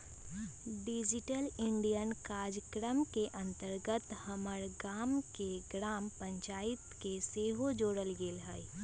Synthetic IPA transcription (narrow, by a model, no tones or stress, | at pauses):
ɖɪd͡ʒɪʈəlɪɳɖijənkaːɾd͡ʒəkɾəmkeʔə̃nt̪əɾɡət̪həməɾɡaːmkeɡɾaːmpə̃ɲt͡ʃaːɪt̪keseːɦod͡ʒoːɽəlɡeːlɦəi